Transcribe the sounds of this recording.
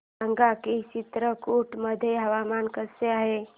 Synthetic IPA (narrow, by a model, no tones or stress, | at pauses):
əŋɡakit͡ɕit̪ɾəkoʈməd̪ʱːjeɦəʋamankəseaɦe